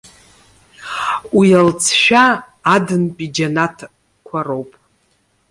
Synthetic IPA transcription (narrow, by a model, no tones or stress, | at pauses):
wialt͡sʰʃᶣaː | dɨnpʼid͡ʒanatʰ | kʷʰarowpʼ